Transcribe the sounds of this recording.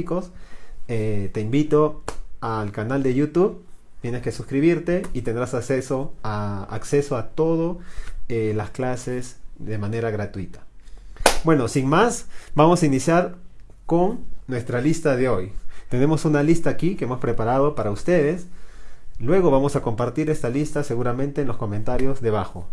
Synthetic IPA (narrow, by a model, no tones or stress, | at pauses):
ikoset̪e̞imbit̪oalkanald̪e̞jut̪uβ | t̪je̞neske̞suskɾiβiɾt̪eit̪end̪ɾasaksesoa̰ːksesoat̪o̞ðoelasklasesd̪emaneɾaɣɾat̪uit̪ḁ | bwe̞no̞siŋmasbamo̞sainisjaɾ | ko̞ŋnwe̞st̪ɾalist̪aðe̞o̞jt̪e̞ne̞mo̞sunalist̪aːkikeemospɾe̞paɾað̞o̞paɾaust̪e̞ð̞es | lwe̞ɣo̞βamo̞sako̞mpaɾt̪iɾe̞st̪alist̪ase̞ɣuɾamẽnt̪eːnlosko̞ment̪aɾjo̞zðe̞βaxo̰